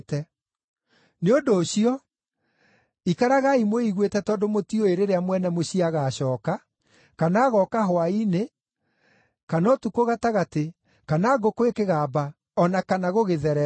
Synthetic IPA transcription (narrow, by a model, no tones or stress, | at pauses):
tɛ | neondoːɕiɔ | ikaɾaɣaimoiɣwetɛtɔːndomotioeɾeɾeamwɛnɛmoɕiaɣaːɕɔːka | kanaːɣɔkaɦowaine | kanɔtukoɣataɣate | kanaːɡokwekeɣaːba | ɔnakanaɣoɣeðɛɾɛ